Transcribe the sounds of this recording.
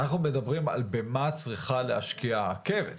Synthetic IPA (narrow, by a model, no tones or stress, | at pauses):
naχnume̞dabʁima̰lbemat͡sʁiχaleaʃkiakevḛ